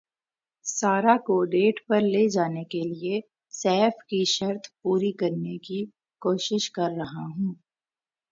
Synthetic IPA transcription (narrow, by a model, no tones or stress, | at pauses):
saːɾakoɖeːʈpɐɾleːd͡ʒaːnekelie | sɛːfkiʃɐɾt̪ʰpuːɾikɐɾneki | koːʃɪʃkɐɾːɐɦaɦũː